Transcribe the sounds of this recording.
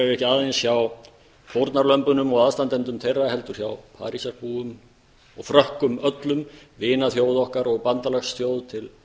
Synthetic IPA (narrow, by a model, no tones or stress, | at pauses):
aɪɛhcɪaðejnsjaw | fʰowɾt̪naɾlœmpʏnʏmɔɣaðst̪ant̪ɛnt̪ʏmt̪ʰejrːaɦɛlt̪ʏɾ̥çjawpʰa̰ːɾisaɾ̥puʏm | ɔɣfɾœhkʏmœt̪lʏmvɪːnaθjowðɔhkaɾɔɣpant̪alɛxst̪jowðt̪ʰɪl